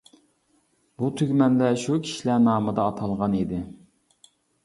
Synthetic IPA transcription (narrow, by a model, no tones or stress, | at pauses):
but̪ʰøɡʲmɛnlɛʃukʲʰi̥ʃilænɑːmɨd̪ɑːt̪ʰɑlˠʁɑnid̪ɪ